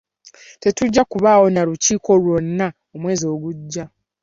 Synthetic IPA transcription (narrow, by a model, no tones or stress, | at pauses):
te̞tuɟːakuβaːwo̞naɾuciːko̞lwo̞nːa | omwe̞ːzio̞ːɡuɟːa